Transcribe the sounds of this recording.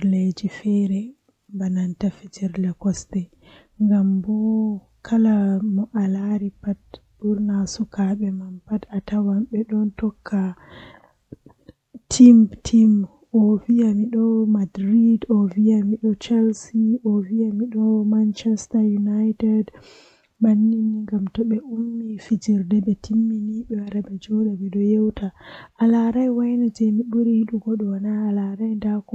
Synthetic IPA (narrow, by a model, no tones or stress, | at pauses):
led͡ʒifɛɾɛ | banantafɛd͡ʒɛɾlɛkɔstɛ | ŋɡambɔ | kʰalamɔʔalaɾipat̚ | buɾnasukaɓɛmampatatawamɓɛɗɔntɔkʰːa | tʰimtʰim | ʔɔvijamiɗɔmadɾidɔvijamiɗɔt͡ʃɛlsiʔɔvijamiɗɔmant͡ʃɛstajunajtɛd | manːiniŋɡamtɔɓɛʔumːifid͡ʒiɾdɛɓɛtʰimːiniɓɛwaɾaɓɛd͡ʒɔɗabɛɗɔjɛwtaʔalaɾajwajnad͡ʒɛmiɓuɾihiɗuɡɔɗɔwanaːlaɾajndak